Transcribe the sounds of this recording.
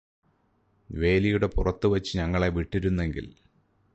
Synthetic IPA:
ʋe̞ːlijuɽe̞purɐt̪ːuʋɐt͡ɕːɨɲɐŋːɐɭe̞ʋiʈːiɾunːe̞ŋɡḭl

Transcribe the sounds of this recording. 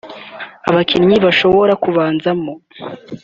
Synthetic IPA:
aβakʰinɲiβaʃo̞βo̞ɾakuβaːnzamo

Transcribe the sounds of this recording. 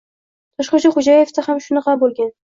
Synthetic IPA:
t̪ʰɒʃqɑt͡ʃʰaχʊd͡ʒaje̞ft̪ahamʃʊnɑqɑbolˠɡʲan

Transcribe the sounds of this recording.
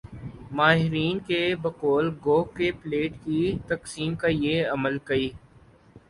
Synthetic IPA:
maːɦɪɾiːnkebɐkoːlɡoːkepleːʈkit̪ɐksiːmkajeɐməlkɐiː

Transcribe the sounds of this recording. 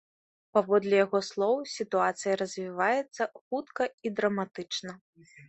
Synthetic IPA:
pavɔd̪lʲɛjaɣɔslˠɔwsʲit̪uat̪sɨjɐɾɐzʲvʲivajɛt̪sːɐxut̪kɐid̪ɾɐmat̪ɨt͡ʂnɐ

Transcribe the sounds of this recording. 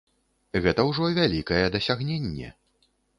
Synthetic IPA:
ɣɛt̪ɐwʐɔvʲalʲikɐjɛd̪ɐsʲaɣnʲenʲːɛ̰

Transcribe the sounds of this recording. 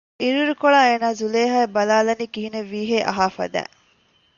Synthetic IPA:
iɾuɾukoɭaːeːnaːzuleːɦaebɐlaːlɐniːkiɦineʋːiːɦeːʔɐ̰ɦaːfɐ̰d̪æ̰ː

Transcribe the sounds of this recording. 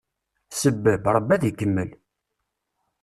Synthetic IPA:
səbːəbɾˤəbæðikːəmːəl

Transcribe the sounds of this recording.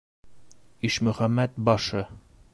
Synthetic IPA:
iʃmɵ̆χæmːæt̪̚bɒʃɤ

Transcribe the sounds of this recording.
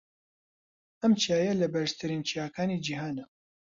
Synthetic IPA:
ɐmt͡ʃiaːjɐlɐbɐɾʃt̪ʰɨɾint͡ʃijaːkʰaːnid͡ʒiːɦaːnɐ

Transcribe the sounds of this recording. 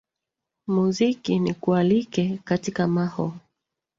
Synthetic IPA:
muzikinikualikɛkatikamahɔ

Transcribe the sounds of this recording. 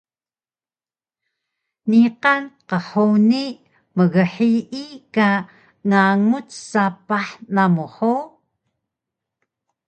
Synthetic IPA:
niqanqəħoni | məɣəħiʔika | ŋaŋut͡ssapaħnamuħo

